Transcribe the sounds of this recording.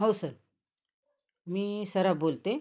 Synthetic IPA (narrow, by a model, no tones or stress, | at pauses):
ɦosəɾ | miːsəɾabolt̪e